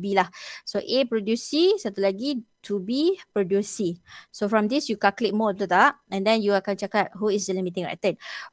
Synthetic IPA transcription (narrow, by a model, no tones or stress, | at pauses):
bilahsoʔepɾodjusisat̪ulaɡitʰubipɹodjusisofɹɔ̃md̪isjukaklit̚mɔt̪ut̪aʔɛ̃ndɛ̃njuakant͡ʃakat̚ɦuis̬d͡ʒəlimit̪ĩŋɛ̰t̪ɛn